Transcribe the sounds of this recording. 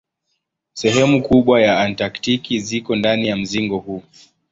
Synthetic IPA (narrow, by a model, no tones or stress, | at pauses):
sɛɦɛmukuɓwajaantaktikizikɔndanijam̩ziŋɡɔhuː